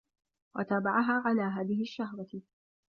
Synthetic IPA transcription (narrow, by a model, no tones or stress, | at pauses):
wa̰t̪aːbaʕaɦaːʕalaːɦaːðɪhɪʃːahwa